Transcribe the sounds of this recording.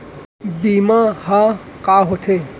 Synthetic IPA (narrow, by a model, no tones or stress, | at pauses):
bimahãkaɦot̪ʰe